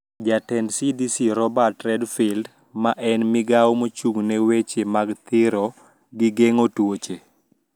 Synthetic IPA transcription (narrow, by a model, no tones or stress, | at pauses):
d͡ʒatɛndsidisiɾɔbatɾɛdfild | maʔɛnmɪɡawmot͡ʃuŋnɛwet͡ʃemaɡt̪ɪɾɔ | ɡɪɡeŋotwot͡ʃe